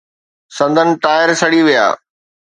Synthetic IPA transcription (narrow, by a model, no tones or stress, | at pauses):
sɐ̃nd̪ʱənɪ̆ʈaːɪəɾsɐɽiʋija̰ː